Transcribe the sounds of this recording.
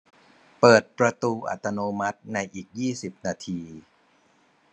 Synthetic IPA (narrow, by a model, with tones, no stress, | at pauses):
pɤː˨˩t̪̚pɾa˧t̪uː˧ʔa̰˨˩t̪ːa˧noː˧ma˦˥t̪̚na˧jʔiː˨˩k̚jiː˥˩si˨˩p̚naː˧t̪ʰiː˧